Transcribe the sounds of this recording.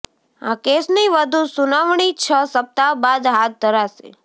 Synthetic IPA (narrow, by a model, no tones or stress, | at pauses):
akesniʋəd̪ʱũsunaʋɳ̃it͡ʃʰəsəp̚t̪abad̪ɦat̪̚d̪ʱəɾasḛ